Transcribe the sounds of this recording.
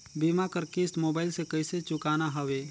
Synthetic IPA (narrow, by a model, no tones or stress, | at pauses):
biːmakəɾkɪsʈmoːbaːɪlsekɐɪset͡ʃʊkaːnaɦɐʋeː